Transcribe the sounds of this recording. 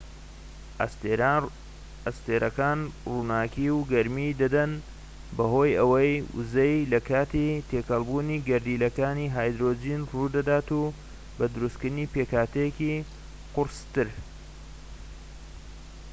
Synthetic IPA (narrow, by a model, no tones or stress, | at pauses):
ɐst̪eːɾʔɐkaːnruːnaːkiwɡɐɾmid̪ɐd̪ɐn | bɐɦo̞jɐwɐjʔzejlɐkʰaːt̪it̪ʰeːkɐlˠbuːniɡɐɾd̪iːlɐkaːniːɦaːjd̪ɾoːd͡ʒinruːd̪ɐd̪aːt̪u | bɐd̪ɨɾust̪kɨɾd̪ɨniːpeːkaːt̪ʰɐjeki | qʊɾst̪ɨɾ